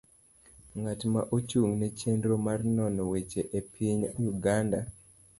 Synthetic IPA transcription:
ŋatmaʔot͡ʃuŋnɛt͡ʃendɾomarnɔnɔwet͡ʃeʔepʰiɲjuɡanda

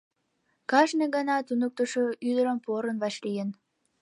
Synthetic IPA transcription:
kɑʃnəɡɑnɑt̪unuk̚t̪əʃoyd̪əɾəmpoɾənβɑʃlijən

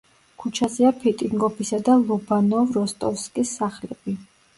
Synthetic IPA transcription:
kʰut͡ʃʰaziapʰit̪ʼiŋɡɔpʰisad̪alˠubanɔvɾɔst̪ʼɔfskʼisːaχlɛb̥i

